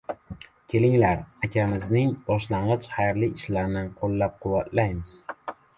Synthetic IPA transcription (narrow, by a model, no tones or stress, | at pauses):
kʲʰe̞lɪŋlaɾakʲʰamɪznɪŋbɒʃlaɴʁɨt͡ʃχajɾliɪʃlaɾnɪqʰolˠːap̚qʰʊwːat̪ʰlajmɪz̥